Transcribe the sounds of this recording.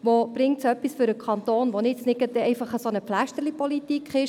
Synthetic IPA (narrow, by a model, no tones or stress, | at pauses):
ʋob̥ɾɪŋtsœpːisfʏɾəkʰɑnt̪oːnʋonɪt͡snɪkət̪ɛɛɪfɑχəsonəpflæʃtəɾlipɔlit̪ikχɪʃ